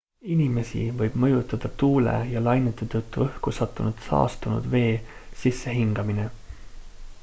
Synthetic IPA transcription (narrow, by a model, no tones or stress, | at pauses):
inime̞sḭvɤjb̥mɤ̞jut̪ːˑɑd̪̥ɑt̪uːlḛjɑlɑjnet̪ːˑet̪ɤt̪ːuɤhkusɑt̪ːˑunud̪̥sɑ̰ːst̪unṵd̪ve̞ːsisːe̞ɦiŋɡ̥ɑmine̞